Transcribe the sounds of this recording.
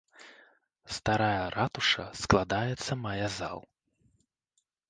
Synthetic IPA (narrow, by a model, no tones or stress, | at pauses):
st̪aɾajɐɾat̪uʂɐ̰sklˠad̪ajɛt̪sːɐmajaza̰lˠ